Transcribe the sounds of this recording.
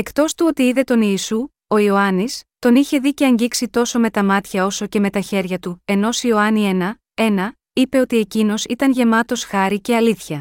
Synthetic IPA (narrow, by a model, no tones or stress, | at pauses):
e̞kt̪o̞st̪uo̞t̪iiðe̞t̪o̞niːsu | o̞io̞ɐnist̪o̞niçe̞ðice̞ɐɲɟiksit̪o̞so̞me̞t̪ɐmɐt̪çɐo̞so̞ce̞me̞t̪ɐçe̞ɾʝɐt̪ue̞no̞sio̞ɐnie̞nɐ | e̞nɐ | ipe̞o̞t̪ie̞cino̞sit̪ɐnʝe̞mɐt̪o̞sxɐɾice̞ɐliθçɐ